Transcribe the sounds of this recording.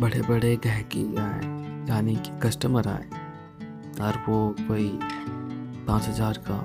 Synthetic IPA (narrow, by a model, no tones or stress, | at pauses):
bɐɽebɐɽeɡɛ̃ɦkeaːḛjaːnikkɐsʈəməɾa̰ːe | ɔːɾʋokoːi | pãːt͡ʃɦɐzaːɾka